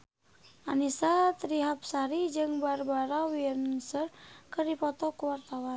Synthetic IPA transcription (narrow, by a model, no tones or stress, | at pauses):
ʔanisat̪ɾiɦap̚saɾid͡ʒɨŋbarbaɾawiənsərkɨrdipɔt̪ɔkuwart̪awan